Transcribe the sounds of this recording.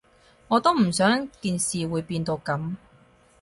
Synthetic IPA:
ŋɔː˨˧t̪o˥wm̩˨˩sœː˨˥ŋt̪iː˨˧nsiː˨wuː˨˧jpiː˧nt̪o˧wkɐ˨˥m

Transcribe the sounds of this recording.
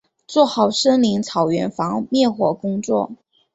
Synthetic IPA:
t͡swɔ˥˩xɑ˨˩ʊʂɤ˥ŋli˧˥ŋt͡sʰɑ˨˩ʊɥɛ˧˥nfɑ˧˥ŋmjɛ˥˩nxwɔ˨˩kʊ˥ŋt͡swɔ̰˥˩

